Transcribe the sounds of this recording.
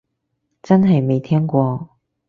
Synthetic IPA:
t͡sɐ˥nɦɐ˨jme˨jt̪ʰɛː˥ŋkʷɔː˧

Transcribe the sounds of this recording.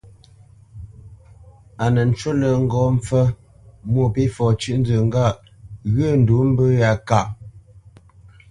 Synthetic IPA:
a˨nə˨n̩˨˦t͡ʃo˦lə˨ŋ̩˦ɡɔ˨˦m˦p͡fə˦ | mwo˦˨pi˦fɔ˨t͡ʃʉ˦˨ʔn̩˦d͡zə˨ŋ̩˦ɡa˦˨ʔ | ɣə˦˨n̩˨du˨˦m̩˦bə˦ja˨ka˨ʔ

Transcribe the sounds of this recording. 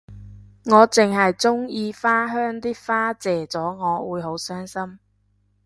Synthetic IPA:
ŋɔː˨˧t͡sɪ˨˩ŋɦɐ˨jt͡sʊ˥ŋjiː˨˧faː˥ɦœː˥ŋt̪iː˥faː˥t͡sɛː˨t͡sɔː˨˥ŋɔː˨˧wuː˨˧jɦo˨˥wsœː˥ŋsɐ˥m

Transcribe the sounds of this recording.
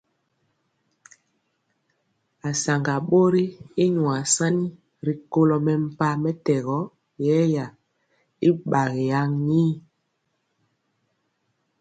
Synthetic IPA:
a˨sa˨ŋɡa˨ɓo˦ɾi˦i˦ɲwa˨sa˦ni˦ | ɾi˨ko˦lɔ˨mɛ˨m̩˨pa˦mɛ˦tɛ˨ɣɔ˦ | jɛ˦ja˨ | i˦ɓa˨ɣi˨ja˦ŋɲiː˦

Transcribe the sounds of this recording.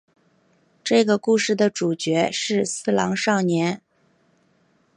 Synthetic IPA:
ʈ͡ʂɤ˥˩ɡə˩ku˥˧ʂɻ̩˥˩d̪ə˩ʈ͡ʂu˨˩t͡ɕɥɛ˧˥ʂɻ̩˥˧sɹ̩˥˧lɑ̰˧˥ŋʂɑ˥˩ŋnjɛ˧˥n

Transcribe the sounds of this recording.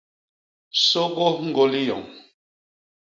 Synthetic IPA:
so˦ɣo˦ŋ̩˦ɡo˦li˦jɔ̰˨ŋ

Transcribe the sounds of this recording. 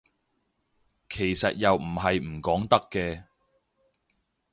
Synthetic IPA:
kʰe˨˩jsɐ˨t̚jɐ˨wm̩˨˩ɦɐ˨jm̩˨˩kɔː˨˥ŋt̪ɐ˥kːɛː˧

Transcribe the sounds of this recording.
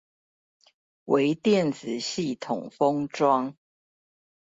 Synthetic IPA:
wʔe˧˦ɪt̪jɛ˥˨nt͡sɹ̩˨˩ɕi˥˨t̪ʰʊ˨˩ŋfɤ˦ŋʈ͡ʂwɑ˦ŋ

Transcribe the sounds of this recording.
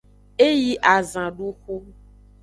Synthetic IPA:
e˦ji˦ʔa˨zã˨ɖu˦xu˦

